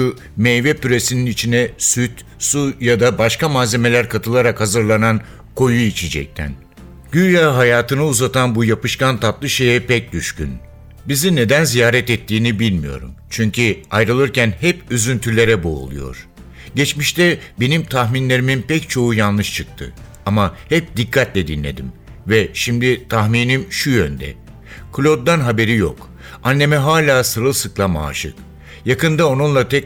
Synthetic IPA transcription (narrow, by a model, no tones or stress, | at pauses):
u | mejvɛpyɾe̞sininit͡ʃʰinɛsyt̪ | sujad̪abaʃkamaːze̞me̞lʲæɾkʰat̪ʰɯlˠaɾakhazɯɾlˠanan | kʰo̞juit͡ʃʰid͡ʒɛ̰c̚t̪ʰæ̰n | ɟ̥yjaɦajaːt̪ʰɯnɯuzat̪ʰanbujapɯʃkant̪ʰat̪lˠɯʃe̞jɛpɛc̚d̪yʃcyn | bizine̞d̪ænzijaːɾɛt̪ɛt̪ʰːiːnibilʲmijo̞̰ɾṵmt͡ʃʰyɲcʰiajɾɯlˠɯɾcʰænhɛpyzynt̪ʰylʲe̞ɾɛbo̰ːlˠṵjo̞̰ɾ̥ | ɟet͡ʃmiʃt̪ɛbe̞nimt̪ʰaxminlʲe̞ɾiminpɛct͡ʃʰo̞ujanlˠɯʃt͡ʃʰɯk̚t̪ʰɯ̰ | amahɛp̚d̪ikʰːat̪lʲɛd̪inlʲe̞̰d̪im | vɛʃimd̪it̪ʰaxmiːnimʃujønd̪ɛ̰ | kʰlʲo̞d̪d̪anɦabe̞ɾijo̰k | anːe̞mɛɦaːlʲaːsɯɾɯlˠsɯklˠama̰ːʃɯ̰k | jakɯnd̪ao̞nunlˠat̪ʰɛ